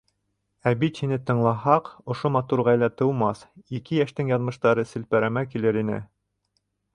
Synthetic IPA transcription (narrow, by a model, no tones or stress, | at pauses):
æbit̪hinɘt̪ɤ̆ɴlˠɑhɑqŏʃomɑt̪uɾʁɑjlæt̪ɤ̆wmɑsikɘjæʃt̪ɘŋjɑnmɤ̆ʃt̪ɑɾɤsɘ̆lpæɾæmækilɘɾinɘ̰